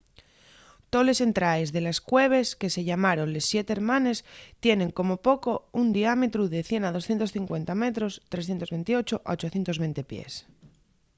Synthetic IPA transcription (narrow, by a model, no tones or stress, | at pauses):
t̪o̞le̞se̞nt̪ɾaezðe̞laskwe̞β̞e̞ske̞se̞ʝamaɾo̞nle̞sːje̞t̪eɾmãne̞st̪je̞ne̞ŋko̞mo̞po̞ko̞und̪iamet̪ɾuðe̞θje̞nað̞osθje̞nt̪o̞sθiŋkwe̞nt̪ame̞t̪ɾo̞st̪ɾe̞sθjent̪o̞zβe̞nt̪io̞t͡ʃoʔa̰ot͡ʃo̞θjent̪o̞zβe̞nt̪e̞pjḛs